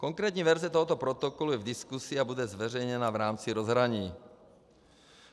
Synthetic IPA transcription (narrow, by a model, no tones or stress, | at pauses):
kɔŋkɾɛːt̪ɲiʋɛɾzɛt̪ɔɦɔt̪ɔpɾɔt̪ɔkɔlujɛvd̪iskusiabudɛzʋɛɾɛjɲɛnaːvɾaːmt͡siɾɔzɦɾaɲiː